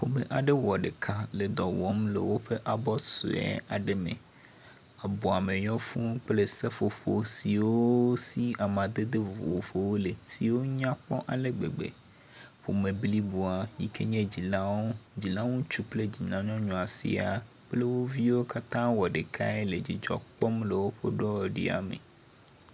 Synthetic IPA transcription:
ɸo˦be˦ʔa˨ɖe˦wɔ˨ɖe˨kʰa˦le˨d̪ɔ˨wɔ˦mlḛ˨wo˦ɸe˦ʔa˨bɔ˦so̰˨ɛ̰˦a˨ɖe˦mḛ̃˨ | a˨bɔ˨a˨mẽ˨ɲɔ̃˦fũ˦k͡ple˦se˦fo˨ɸo˨si˨wo˦si˦a˨mã˨d̪e˦d̪e˦˨wo̰˨fo˨wo˦le˨si˨wo˦ɲã˦k͡pɔ̰˦ʔa˨le˦ɡ͡bḛ˨ɡ͡bḛ˨ | ɸo˨mẽ˨bli˦bu˨a˨ji˨kʰe˦ɲẽ˦d͡ʑi˨lã˦wo˦d͡ʑi˨lã˦wũ˦t͡ʃu˦k͡ple˦d͡ʑi˨nã˨ɲɔ̃˦ɲɔ̃˨a˨sḭ˦a˨ | k͡ple˦wo˦vi˦wo˦ka˦t̪ã˦wɔ˨ɖe˨kʰa̰˦ɛ˦le˨d͡ʑi˨d͡ʒɔ̰˨k͡pɔ˦mle˨wo˦ɸo˦ɖɔ˦˨ɖḭ˦a̰˨mḛ˨

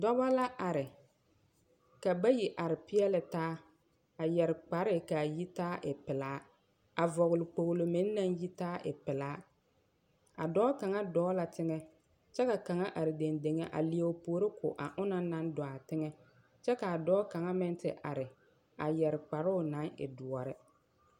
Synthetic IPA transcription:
dɔ˦ba˦la˦ʔa˨ɾɪ˨ | ka˨ba˦ji˨ʔa˨ɾɪ˨pɪ˦ɛ˦lɪ˨taː˦ | a˨jɛ˨ɾɪ˨k͡pa˨ɾɪ˦˨ka˨ji˦taː˦ʔɪ˨pɪ˨laː˨˦ | a˨vɔ˨ɣʊ˨lɪ˨k͡po˨ɣlo˨mɪ˦nː˦a˦nji˦taː˦ʔɪ̰˨pɪ˨laː˨˦ | a̰˨dɔː˦ka˨ŋa˦dɔː˦la˨tɪ˦ŋɛ˦ | t͡ʃɛ˦ka˨ka˨ŋa˦ʔa˨ɾɪ˨de˨nde˨ŋe˦ʔa̰˨li˨e˦˨ʊ˨poː˨˦ɾɪ˦kʊ̰˨ʔa˨ʔʊ˦na˦na˦n˦dɔ˨a˨tɪ˦ŋɛ˦ | t͡ʃɛ˦ka˨a˨dɔː˦ka˨ŋa˦mɪ˦n˦tɪ̰˨ʔa˨ɾɪ˨ | a˨jɛ˨ɾɪ˨k͡pa˨ɾʊ˦ʊ˦˨nã˨˦ŋɪ̰˨dʊ˨ɔ˨ɾɪ˦

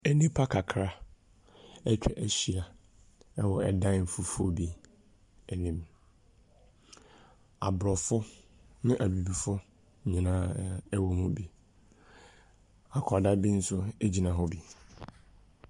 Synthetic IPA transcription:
ɛ˨nĩ˦pʰa˦kʰa˨kʰɾa˦ | ɛ˦t͡ɕᶣʰɛ˨ʔæ˨ɕi˨ɾa˨ | ɛ˦wɔ˨ɛ˨dã˦n̩˦˨fu˦fʊ˦o˦bi˦ | ɛ˨nĩ˦˨m | a̰˨bɾɔ˨fʊ˦nʊ̃˦ʔa˨bi˨bi˨fʊ˦ | ɲĩ˨nãː˦ɛ˦wɔ˨mũ˦bi˨ | a˨kʰɔ˨da˦bi˦n̩˦sʊ˦e˦d͡ʑi˨nã˨ɦɔ˦bi˨

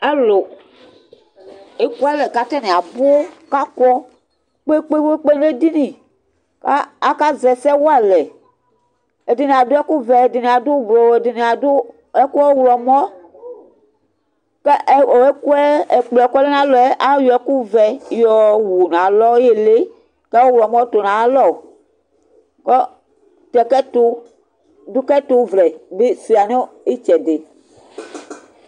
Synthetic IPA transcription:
a˦lo˨ | e˦ku˦a˦lɛ˨ka˦t̪ɛ˦nĩ˨a˨bo˦ka˦kɔ˦ | k͡pe˦k͡pe˦bo˦k͡pe˦ñ˦le˦di˦nĩ˨ | ka˦a˦ka˦zɛ˨sɛ˦wo˦a˦lɛ˨ | e˨di˨nĩ˨a˨do˦ɛ˦ku˦vɛ˨e˨di˨nĩ˨a˨dʊ˦blɔ˨e˨di˨nĩ˨a˨do˦ | e˦ku˦ɛ˦wlɔ˨m˦ɔ̃˦ | ke˦ku˦ɛ˦e˨k͡plkɔ˦le˦nã˦lɔ˨ɛ˦ʔa˦jɔ˨ɛ˦ku˦vɛ˨jɔ˨wu˨nã˨lɔ˦je˦le˦ | ke˦wo˦wu˨lɔ˨mɔ̃˦t̪o˨nã˨˦lɔ˦˨ | kɔ˦ | t̪ɛ˨kɛ˦to˦ | du˦kɛ˦to˦vlɛ˨be˦si˨a˨ne˦i˦t͡ʃɛ˨de˨

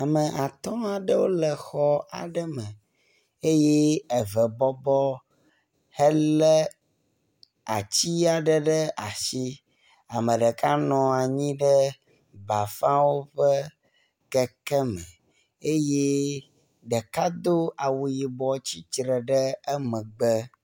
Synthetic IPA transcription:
a˨mə˨ʔa˨t̪ɔ̃˦a˨ɖə˦wo˦lə˨xɔ˦a̰˨ɖə˦mə̃˨ | e˦je˦ɛ˨və˨bɔ˦bɔ˦ | hə˦lə˦ | a̰˨t͡ɕi˦a˨ɖə˦ɖə˦ʔa˨ʃi˦ | a˨mə̃˨ɖə˨ka˦nɔ̃˨a˨ɲĩ˦ɖə˦ | ba˨fã˦wo˦ɸə˦ | kə˦kɛ˦mə̃˨ | e˦je˦ | ɖə˨ka˦d̪o˦a˨wu˨ji˨bɔ˨˦t͡ɕi˦t͡ʃɾə˨ɖə˦ə˦mə̃˨ɡ͡bə˦

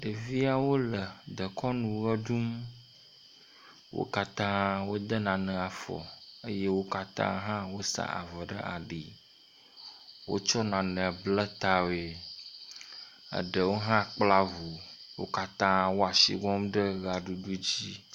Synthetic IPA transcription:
ɖə˨vi˦a˨wo˦lə˨d̪ə˨kɔ˦nũ˨ɣə˦ɖu˦m | wo̰˦ka˦t̪ã˦wo˦d̪ə˦nã˨nə̃˨a˨fɔ̰˨ə˦je˦wo˦ka˦t̪ã̰˦ɦã˦wo˦sa̰˨a̰˨və˨ɖə̰˦ʔa̰˨ɖi˨ | wo̰˦t͡ʃɔ˦nã˨nə̃˨blə˦t̪a˦we˨ | ə̰˨ɖə˨wo˦ɦã˦k͡pla˦vu˨wo˦ka˦t̪ã˦wo˦a˨sḭ˨ɡɔ˦mɖə˦ɣa˨ɖu˨ɖu˦d͡ʑi˦

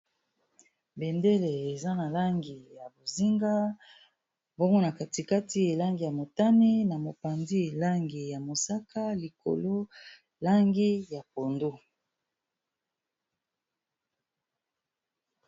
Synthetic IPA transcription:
be˨nde˦le˨e˨za˦na˨la˦ŋɡi˨ja˨bo˨zi˦ŋɡa˦ | bo˦ŋɡo˦na˨ka˨ti˨ka˦ti˦e˨la˦ŋɡi˨ja˨mo˨ta˦ni˦na˨mo˨pa˨ndi˦e˨la˦ŋɡi˨ja˨mo˨sa˦kʰa˦li˨ko̰˨lo˦ | la˦ŋɡi˦ja˨po˨ndo˦

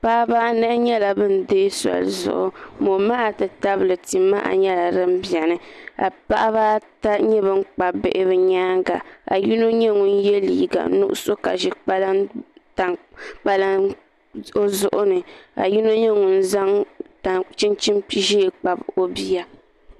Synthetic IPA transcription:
pa˦ʔba˦nɨ˦ɲɛ˦la˨bɨ˦n̩˨deː˦sɔ̰˨lzʊ̰˨ʔʊ̰˨mo˨ma˦a˨tɨ˨ta˦bɨ˨lɨ˨ti˨ma̰˦ʔa̰˨ɲɛ˦la˨ɾɨ˦m̩˦bi˨ɛ˨nɨ˦a̰˨pa˦ʔa˦βaː˦ta˦ɲɛ˦βɨ˦ŋ˦k͡pa˨bɪ̰˨ʔɪ˦βɨ˦ɲaː˦ŋɡa̰˨a̰˨ji˦no˦ɲɛ˦ŋu˨n̩˦jɛ˦liː˨ɡa̰˨nṵ˦ʔʊ̰˦so˦ka̰˨ʒi˦k͡pa˦lta˨ŋk͡pa˦la˦n | o˦zʊ˦˨ʔʊ˦nɨ˨a̰˨ji˦no˦ɲɛ˦ŋu˨n̩˦za˦ŋta˨t͡ʃi˦nt͡ʃi˦mpi˦ʒi˦˨k͡pa˨bo˦bi˦ja˦

